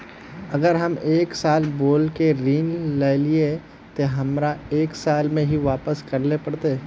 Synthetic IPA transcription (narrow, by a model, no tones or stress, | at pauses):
ɐɡəɾɦɐmeːksaːlboːlkeɾiːnlelie | t̪oɦɐmɾaeːksaːlmẽɦiʋaːpəskɐɾlepɐɽt̪eː